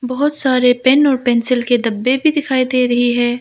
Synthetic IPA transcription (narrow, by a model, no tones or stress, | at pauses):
bɐɦʊt̪saːɾepɛnɔːɾpɛːnsɪlked̪ɐbːebʱid̪ɪkʰaːid̪eɾɐɦiɦɛ̃ː